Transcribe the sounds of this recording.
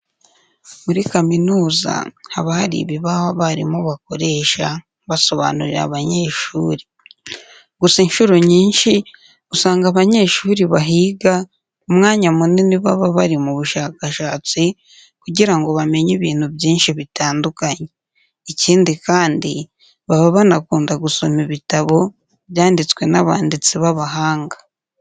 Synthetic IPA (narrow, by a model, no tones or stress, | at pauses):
muɾikaminuːza̰haβahaɾḭβiβaβaβaɾimoβako̞ɾe̞ːʃa | βaso̞βa̰ːnuɾiɾa̰βaɲe̞ʃuːɾi | ɡusainʃuɾoɲiːnʃi | usaːŋɡaβaɲe̞ʃuːɾiβaɦiːɡa | omŋaːɲamuniniβaβaβaɾimuβuʃaːkaʃaːt͡si | kuɟiɾaŋɡo̞βame̞ɲiβiːn̥huβjiːnʃiβitaːndukaɲeː | ciːndikaːndi | βaβaβanakuːndaɡuso̞miβitaβo̞ | βjaːndit͡skwe̞naβa̰ːndit͡siβaβaɦaːŋɡḁ